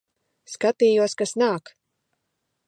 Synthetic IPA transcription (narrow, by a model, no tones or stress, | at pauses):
skat̪iːjuɔskasnaːk